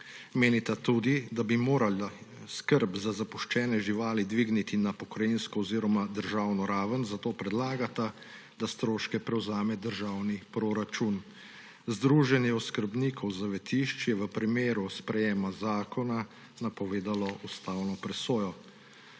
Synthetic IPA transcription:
meːnit̪at̪uːd̪id̪abimoːɾalaskəɾbzazapuʃt͡ʃɛːnɛʒiʋaːlid̪ʋiɡnit̪inapɔkɾajinskɔɔziːɾɔmad̪əɾʒaːwnɔɾaːʋənzat̪oːpɾɛd̪laːɡat̪a | d̪ast̪ɾoːʃkɛpɾɛwzaːmɛd̪əɾʒaːwnipɾoɾat͡ʃun | zd̪ɾuːʒɛnjɛɔskəɾbniːkʰɔwzaʋɛt̪iʃt͡ʃjɛʋəpɾimeːɾuspɾɛjeːmazaːkɔna | napɔʋeːd̪alɔʔust̪awnɔpɾɛsoːjɔ

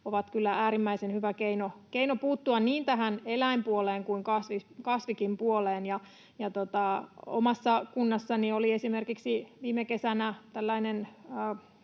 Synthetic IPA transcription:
oʋɑt̪kylːæʔæːɾimːæisenhyʋækeinokeinopuːt̪ːuɑnniːnt̪æɦænelæimpuoleːŋkuiŋkɑsʋikɑsʋikimpuoleːnjɑ | jɑt̪ot̪ɑo̰mɑsːɑkunːɑsːɑnioliesimerkiksiʋiːmekesænæt̪ælːæinenː

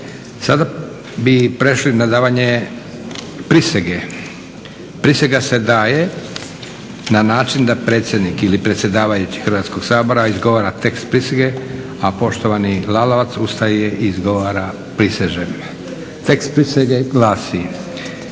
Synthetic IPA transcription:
sad̪a | bipɾe̞ʃlinad̪aːʋaɲe | pɾiseɡe | pɾiseɡase̞d̪aːje | nanaːt͡ʃind̪apɾe̞ːt̪sjed̪nikilipɾet̪sje̞d̪aːʋajut͡ɕi̥xɾʋat̪skoɡ̥saːbo̞ɾaizɡo̞ʋaːɾat̪e̞kst̪pɾiseɡe̞ | apo̞ʃt̪oʋanilaloʋat̪sust̪ajeʔiːzɡoʋaːɾa | pɾiseʒem | t̪ekst̪̚pɾiseɡeɡlˠaːsi

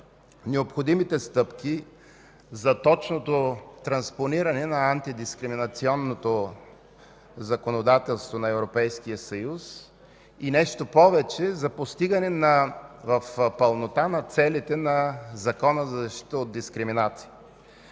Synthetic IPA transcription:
nɛopxod̪imit̪ɛst̪ɤpki | zɐt̪ɔt͡ʃnot̪ot̪ɾɐnsponiɾɐnɛnɐːnt̪id̪iskɾiminɐt̪siɔnːot̪o | zɐkonod̪at̪ɛlˠst̪vonɐɛvɾopɛjskijəsɐjus | inɛʃt̪opɔvɛt͡ʃɛzɐpost̪iɡɐnɛnɐvɐfpəlˠnot̪anɐt̪sɛlit̪ɛnɐzɐkɔnəzɐzʃi̥t̪əod̪̚d̪iskɾiminat̪si̥i

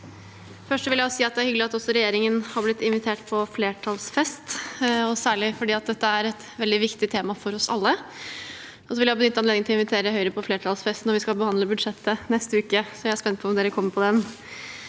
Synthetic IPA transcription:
fœʂʈːsɔʋɪljæɔsiːɑt̪̚d̪ɛæɾhʏɡəlɪɑt̪ɔsːɔɾɛjeːɾɪŋənhɑblɪt̪ːɪnʋɪt̪ʰeːʈpʰɔfleːʈʰɑlsfɛst̪ɔsæːɭɪfɔɖiːɑt̪̚d̪ɛt̪ːəæɾɛt̪ | ʋɛld̪ɪʋɪkt̪ɪt̪ʰeːmɑfɔɾɔsɑ̰lːə | ɔsɔʋɪljæhɑbnʏt̪ːɑnleːd̪ɪŋnɪɪnʋɪt̪ʰeːɾəhœʏəɾəpʰɔfleːʈʰɑlsfɛst̪nɔɾʋɪskɑlbəhɑnd̪ləbʉd̪ʂɛt̪ːənɛst̪əʉːkəsɔjææspɛnt̪̚pʰɔɔmd̪eːɾəkʰɔmːəɾpʰɔd̪ɛn

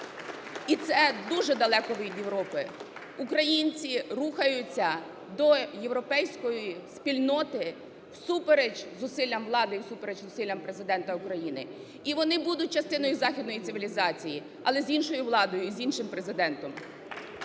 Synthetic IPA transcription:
it̪sɛd̪uʒɛd̪ɐlˠɛkɔʋɪʋʲid̪jeʋɾɔpɪ | ukɾɐjinʲt͡sʲiruxɐjʊt͡sʲːɐ | d̪ɔje̞ʋwɾɔpɛjsʲkɔjispʲilʲnɔt̪ɪ | w̥supeɾed͡ʒzʊsɪlʲːɐmʋlˠɑd̪ɪiwsupeɾed͡ʒzʊsilʲːɐmpɾezɪd̪ɛnt̪ɐʊkɾɐjinɪ̰ | iʋɔnɪbud̪ʊt̚ʲt͡ʃɐst̪ɪnɔjʊzɑxʲid̪nɔjit̪ɪʋʲilʲizɑt͡sʲiji | ɐ̰lˠɛzʲinʃɔjʊʋlˠɑd̪ɔjʊizʲinʃɪmpɾe̞zɪd̪ɛnt̪ɔm

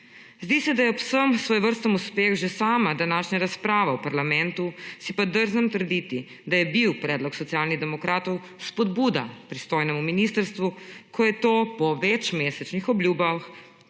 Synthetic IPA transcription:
zd̪isɛd̪ajɛɔpsəmsʋoːjʋəɾst̪əmuspeːxʒesaːmad̪anaːʃɲaɾaspɾaːʋɛwpaɾlamɛnt̪usipad̪əɾzəmt̪əɾd̪it̪i | d̪ajɛbiwpɾɛːd̪lɔksɔt̪siaːlniɣd̪ɛmɔkɾaːt̪ɔw | spɔd̪buːd̪a̰pɾist̪oːjnɛmuminiːst̪əɾst̪ʋukʰɔjɛt̪oːpɔʋɛt͡ʃmeːsɛt͡ʃnixɔblʲjuːbax

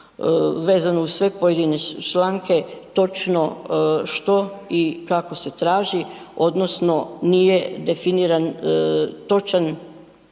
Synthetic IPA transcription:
ʋe̞ːzanoussʋe̞po̞jed̪inet͡ʃlaːŋke̞t̪o̞t͡ʃno̞ʃt̪o̞ikako̞se̞t̪ɾaːʒi | o̞d̪nosno̞nije̞d̪e̞finiɾan | t̪o̞t͡ʃan

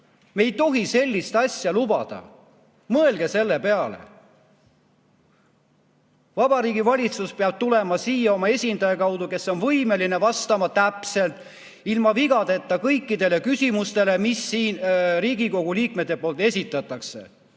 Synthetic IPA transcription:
me̞jt̪o̞ɦise̞lʲːist̪ɑsʲjɑlubɑ̰d̪̥ɑ̰ | mɤe̞lɡ̥e̞se̞lːe̞peɑlḛ | vɑb̥ɑɾiːɡivɑlʲit̪suspeɑb̥̚t̪ule̞mɑsiːjɑo̞mɑe̞sʲind̪ɑjɑkɑwd̪uke̞so̞nvɤjme̞line̞vɑst̪ɑmɑt̪æpse̞lt̪ˑ | ilmɑviɡɑd̪e̞t̪ːˑɑkɤjkːˑid̪e̞le̞kysʲimust̪e̞le̞misːiːnriːɡiko̞ɡ̥uliːk̚met̪ːˑe̞po̞ːlt̪ˑe̞sʲit̪ːˑɑt̪ːˑɑkse̞̰

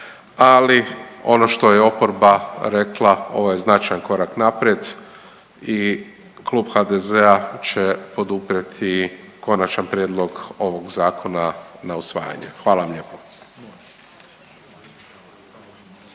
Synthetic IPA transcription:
alio̞̰no̞ʃt̪o̞jeo̞po̞ɾbaɾe̞klˠao̞̰ʋoje̞znat͡ʃajanko̞ɾaknapɾjed̪ | i | klˠuːbxad̪ezeat͡ɕe̞po̞d̪upɾet̪ʰi | ko̞nat͡ʃanpɾjed̪lˠo̞ɡo̞ʋo̞ɡzaːkʰo̞nanausʋa̰ːja̰ɲḛxʋaːlaʋamʎeːpo̥

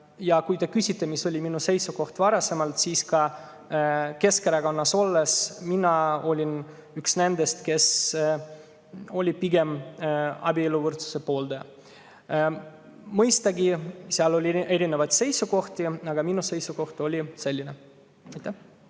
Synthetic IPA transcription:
jɑkujt̪e̞kysʲit̪ːe̞miso̞lʲiminuse̞jsuko̞ht̪vɑɾɑse̞mɑlt̪siːskɑ | ke̞skeɾɑkonːɑso̞lːesminɑo̞lʲin | yksne̞nd̪̥e̞st̪ke̞s | o̞lʲipiɡe̞m | ɑ̰bʲielːuvɯrt̪su̥se̞po̞ːld̪̥e | mɤjst̪ɑɡiseɑlo̞lʲie̞ɾinevɑjt̪se̞jsuko̞ht̪iɑɡ̥ɑminuse̞jsuko̞ht̪o̞lʲise̞lʲːine | ɑjt̪ːæh

